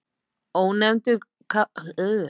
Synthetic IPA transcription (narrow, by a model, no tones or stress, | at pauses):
ɔhunnɛmnt̪ʏ | kʰa